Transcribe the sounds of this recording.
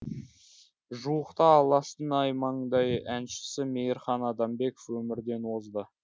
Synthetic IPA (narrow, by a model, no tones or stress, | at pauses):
ʒuwəqt̪ɑːlˠɑst̪ənɑjmɑɴd̪ɑjænʃɪ̥sɪme̞jɾχɑnɑd̪ɑmbe̞kofwɵmɪɾd̪e̞nwo̞zd̪ə